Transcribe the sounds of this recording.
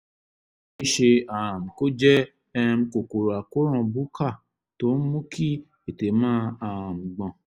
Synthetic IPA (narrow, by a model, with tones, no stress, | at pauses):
i˦ʃe˧a˨m̩˨ko˦d͡ʒɛ˦ | ɛ̃˧m̩˧ko˨ko˨ɾa˨ko˦ɾ̃ɔ̃˦˧˨bu˦kʰa˦˨ | to˨˦n̩˦mũ˦kʰi˦ | e˨te˨mãː˦˧ã˨m̩˨ɡ͡bɔ̃˨